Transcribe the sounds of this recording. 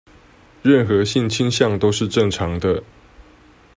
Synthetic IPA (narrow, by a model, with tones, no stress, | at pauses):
ɻə˥˨nxɤ˨˦ɕi˥˨nt͡ɕʰi˥nɕjɑ˥˨ŋt̪o˥ʊʂɻ̩˥˧ʈ͡ʂɤ˥˨ŋʈ͡ʂʰɑ˨˥ŋd̪ə˧